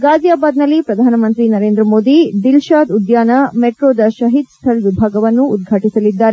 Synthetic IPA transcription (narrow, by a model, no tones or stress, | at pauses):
ɡaːd͡ʒjaːbaːd̪nɐlːipɾɐd̪ʱaːnɐmɐnt̪ɾinɐɾeːnd̪ɾɐmoːd̪id̪ilʃaːd̪ud̪jaːnɐmeʈɾoːd̪ɐʃɐɦit̪st̪ʰɐɭiʋibʱaːɡɐʋɐnːuːd̪̚ɡʱaːʈisɐlid̪ːaːɾe